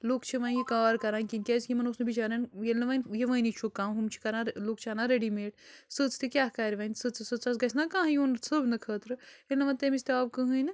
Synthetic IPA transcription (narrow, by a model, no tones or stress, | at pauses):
loːkt͡ʃʰiʋãːnjikaːɾkɐɾãːnʲkinʲkʲeːskʲimɐnosnebit͡ʃaːɾanjelnɐʋɐnʲjeʋɐ̃ːnit͡ʃʰukːãːmɦumt͡ʃʰi̥kɐɾãːloːk̚t͡ʃʰaːnãːɾeɖimeːʈsɨt͡st̪ikʲaːɦkaːɾʲʋɐːnsɨt͡sɨsɨt͡sɐs̬ɡɐsʲnakãːɦjunsɨbnɨkʰəːt̪ɾɨelnɐʋɐnt̪emist̪eaːbkɨɦɨjn